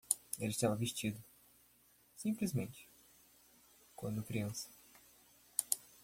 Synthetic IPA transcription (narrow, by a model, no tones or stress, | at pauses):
elɪʃt̪avɐviʃt͡ʃid̪ʊ | sĩplizmẽnt͡ʃɪ̥ | kwɐ̃nd̪ʊkɾiɐ̃sɐ̥